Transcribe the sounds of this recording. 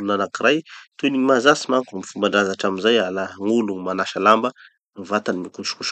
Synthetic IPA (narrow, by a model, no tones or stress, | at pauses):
lunanakirajt̪eniɲimazasimaŋkamfumbaɳɖ͡ʐazaʈ͡ʂaminzajalaŋuluŋmanaʃalambə | vat̪animikuʃu̥kuʃ